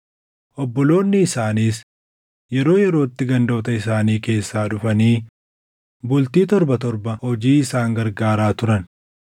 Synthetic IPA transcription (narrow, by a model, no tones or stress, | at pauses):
ʔɔbːɔlo̞ːnːɪːsaːniːs | jɛɾo̞ːjɛɾo̞ːt̪ːɪɡɐnd̪o̞ːt̪ɐɪsaːniːke̞ːsːaːᶑʊfɐniː | bʊlt̪iːt̪ɔɾbɐt̪ɔɾbɐhɔd͡ʒiːɪsaːŋɡɐɾɡaːɾaːt̪ʊɾɐn